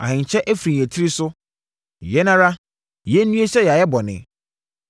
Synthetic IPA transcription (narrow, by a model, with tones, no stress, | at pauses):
ã̰˨hɪ̃˨ɲ˨t͡ɕʰɛ˦ʔæ˦fɾĩ˨n˨ɛ˨tʰi˦ɾi˦sʊ˦ | jɛ˦nã˦ɾa˦ | jɛ˦n̩˦nũ˦e˦ɕɛ˦jɛ˨a˨jɛ˦bɔ˨nɪ̰̃˨